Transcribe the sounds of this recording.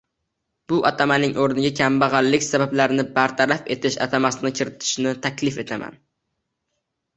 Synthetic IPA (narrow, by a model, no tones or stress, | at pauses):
b̥ʊʔɒt̪ʰamanɪŋʔoɾnɪɡʲakʲʰambaʁɑlːɪkʲsabablaɾɪnɪbaɾt̪ʰaɾafe̞t̪ʰɪʃa̰t̪ʰamasɪnɪkʲʰɪɾɪt̪ʰɪ̥ʃnɪt̪ʰakʲlɪfe̞t̪ʰama̰n